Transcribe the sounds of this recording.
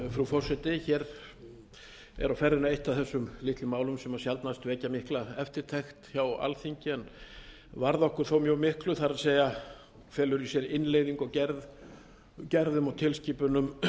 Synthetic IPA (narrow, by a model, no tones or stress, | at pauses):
fɾufɔr̥sɛt̪ɪçɛɾ | ɛ̰ɾawfɛɾðɪnaejht̪aðθɛsːʏmlɪht̪lʏmaːwlʏmsɛmasjalt̪nast̪vɛːcamɪhklaɛft̪ɪɾ̥t̪ʰɛxt̪çawa̰lθiɲcɪɛn | vaɾðɔhkʏɾ̥θowmjœːmɪhklʏθaɾaðseːja | fɛːlʏɾisjɛɾɪnːleːjðiŋkɔɣcɛɾð | cɛɾðʏmɔwt̪ʰɪlsciːpʏnʏm